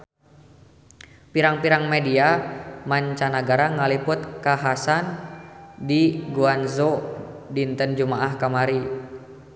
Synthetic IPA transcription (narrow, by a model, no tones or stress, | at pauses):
piɾaŋpiɾaŋmɛdiamaɲt͡ʃanaɡaɾaŋalipʊt̪̚kaɦasan | diɡuanzodint̪ənd͡ʒumaʔahkamaɾi